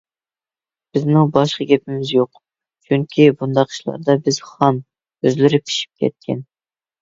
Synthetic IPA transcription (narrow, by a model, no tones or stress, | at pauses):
b̥ɪzmɪŋbɑʃqəɡʲɛpʰɪmɪzjoq | t͡ʃʰyŋkʲʰibund̪ɑqʰʃlˠɑ̰ɾd̪ɑbɪz̥χɑn | øzlɪɾɪpʰi̥ʃi̥p̚kʲʰɛ̰t̪̚kʲʰɛ̰n